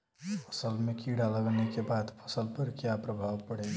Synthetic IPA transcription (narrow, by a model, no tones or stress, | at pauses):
pʰə̥səlmekiɽaləɡənekebad̪pʰə̥səlpəɾkjapɾəbʱawpəɽɛ